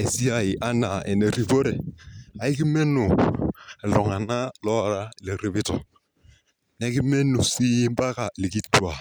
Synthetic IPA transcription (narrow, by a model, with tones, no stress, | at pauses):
e˨si˦a˨ɪ˨ʔa˦na˨ɛ̰˨ne˨ɾi˨bo˦ɾɛ˨a˨ɪ˦kɪ˦mɛ˦nʊ˨ | ɛ˨lɔ˨ŋa˨na˦lɔ˦ɾa˦lɛ˨ɾɪ˨bɪ˦tɔ˨ | nɛ˨˦kɪ˦mɛ˦nu˨si˦m˦ba˦ka˨li˨ki˦twa˨